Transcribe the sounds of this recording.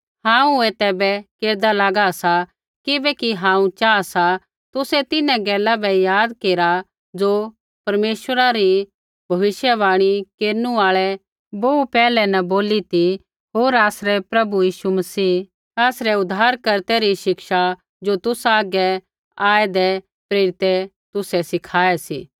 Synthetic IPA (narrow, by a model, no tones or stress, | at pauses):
ɦãːũeːt̪ɛbɛkeːɾd̪alaːɡasa | kɪbɛkiɦãːũt͡ʃaːasa | t̪ʊsɛt̪ɪnɛ̃ɡɛːlabɛjaːd̪keːɾa | d͡ʒoː | pɐɾmeːʃʋəɾaɾi | bʱɐʋɪʃjəʋaːɽ̃ikeːɾnũaːɭɛ | boupɛːlɛnɐboːlit̪i | ɦoːɾaːsɾɛpɾɐbujiːʃumɐsiː | aːsɾɛʊd̪ʱaːɾkɐɾt̪ɛɾiʃɪkʃa | d͡ʒot̪ʊsaːɡɛ | aːɛd̪ɛ | pɾeːɾɪt̪ɛ | t̪ʊsɛsɪkʰaːɛsḭː